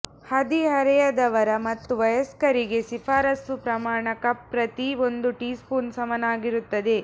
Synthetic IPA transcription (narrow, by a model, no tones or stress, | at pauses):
hɐd̪iɦɐɾɛjɐd̪ɐʋɐɾɐmɐt̪ːuʋɐjɐskɐɾiɡe̞sifaːɾɐsupɾɐmaːɳɐkɐpːɾɐt̪io̞nd̪uʈiːspuːnsɐmɐnaːɡiɾut̪ːɐd̪e̞